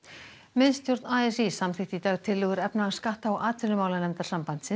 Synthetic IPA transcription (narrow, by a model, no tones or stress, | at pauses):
mɪnst̪jowɾt̪naɛsisamθɪht̪it̪aːɣt̪ʰɪlːʏɣʏɾɛpnaaskaht̪aawʔaːt̪ʰɪlʏmaːwlanɛmt̪aɾ̥sampant̪sɪ